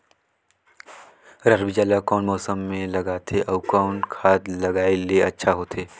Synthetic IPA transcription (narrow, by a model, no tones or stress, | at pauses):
ɾɐɾbid͡ʒaːlakɔːnmɔːsəmːẽlɐɡaːt̪ʰeʔɐʊkaʊnkʰaːd̪lɐɡaːeleɐtːʃʰaɦoːt̪ʰeː